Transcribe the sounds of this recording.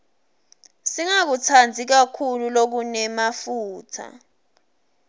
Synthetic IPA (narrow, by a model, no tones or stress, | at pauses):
siŋak̬utʰand͡zʱik̬akʰululok̬unɛmafuːtʰa̰